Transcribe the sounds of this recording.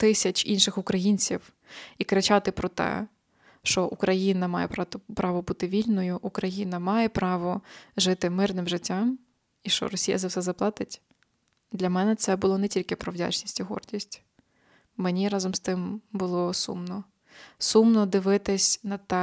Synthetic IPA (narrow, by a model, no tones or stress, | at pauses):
t̪ɪsʲɐt͡ʃʲḭnʃɪxʊkɾɐjinʲt͡sʲiw | ikɾet͡ʃɑt̪ɪpɾɔt̪ɛ̰ | ʃt͡ʃɔʔukɾɐjinɐmɑjɛppɾɑʋɔbut̪ɪʋʲilʲnɔjʊʔːkɾɐjinɐmɑjɛpɾɑʋɔʒɪt̪ɪmɪrnɪmʒɪtʲːɑm | iʃt͡ʃɔ̰ɾɔsʲijɐ̰zɐwsɛzɐplˠɑt̪ɪtʲ | d̪lʲɐmɛnɛt̪sɛbʊlˠɔnɛtʲilʲkɪpɾɔʋdʲa̰t͡ʃnʲisʲtʲiɦɔ̰rdʲisʲtʲ | menʲiɾɑzɔmst̪ɪmbʊlˠɔsṵmnɔ | sumnɔd̪ɪʋɪt̪ɪsʲnɐt̪ɛ